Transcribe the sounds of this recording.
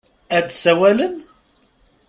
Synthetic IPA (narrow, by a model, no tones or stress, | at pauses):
æt͡sːsæwælən